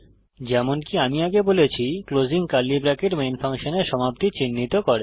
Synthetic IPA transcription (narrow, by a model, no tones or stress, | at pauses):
d͡ʑɛmonkiamiaɡebolet͡ɕʰiklod͡ʑiŋkalːibɾakeɾmenfaŋʃoneɾʃɔmap̚t̪it͡ɕinːit̪okoɾe